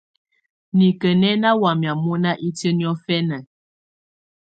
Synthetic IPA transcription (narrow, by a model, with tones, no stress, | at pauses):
ni˨kə˨nɛ˦na˦wa˨mja˨mɔ˦na˦ʔi˦tə˦ni˦ɔ˦fɛ˦na˨